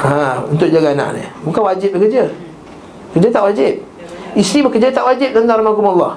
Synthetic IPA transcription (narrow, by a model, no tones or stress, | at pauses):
ãunt̪ʊʔd͡ʒaɡana̰ʔnɪ̰mukanwad͡ʒɪp̚bəkəd͡ʒə | əkəd͡ʒət̪aʔwad͡ʒɪp̚ | isibəkərd͡ʒət̪aʔwad͡ʒɪp̚d̪ənt̪aŋɾamakumalːɑh